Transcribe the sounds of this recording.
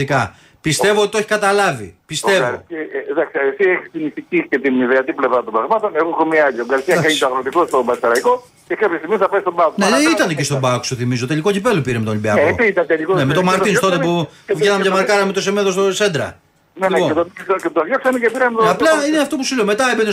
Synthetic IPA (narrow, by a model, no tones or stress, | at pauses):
ikɐ | pist̪e̞vot̪it̪o̞çi̥kɐt̪ɐlɐvḭpist̪e̞vo̰ðɐksiɐesieçi̥st̪iniθicice̞t̪iniðeɐt̪iple̞vɾɐt̪ombɾɐɣmɐt̪o̞neɣoxomiɐɐʎɐoɡɐɾist̪iɐkɐɲit̪oɐɣɾot̪ikost̪o̞bɐsɐɾɐiko̞ | cekɐpçɐst̪imiθɐpɐjst̪obɐkuneit̪ɐnecest̪obɐku̥soθimizot̪e̞liko̞cipe̞lopiɾemet̪olibiɐeoiit̪ɐnt̪elikonemet̪omɐɾt̪inst̪o̞t̪epu | venɐmʝɐmɐɾkɐɾɐmet̪osemeðost̪ose̞nd̪ɾɐ̰ | nelioet̪ocet̪oðjoksɐnecepiɾɐnmet̪aplɐineneɐft̪o̞pusuleme̞t̪ɐebene